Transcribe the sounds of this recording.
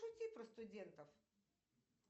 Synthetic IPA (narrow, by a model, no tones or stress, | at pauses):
ʊt̪ʲipɾɐst̪ʊdʲent̪ɐf